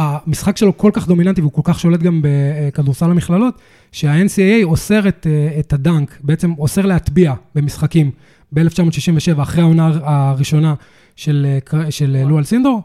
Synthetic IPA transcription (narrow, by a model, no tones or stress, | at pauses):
amisχakʃe̞lo̞ko̞lkaχd̪o̞minant̬iveuko̞lkaχʃo̞le̞t̪ɡambe̞kaduʁsalamiχlalo̞t̪ | ʃeae̞nsieejo̞se̞ʁet̪ːtadaŋkbeet͡se̞mo̞seʁleɦat̪biabemisχakim | beeleft͡ʃamo̞t̪ʃiʃimveʃe̞vaːχʁeaonaːʁiʃo̞na | ʃelkʃellːualsind̪oʁ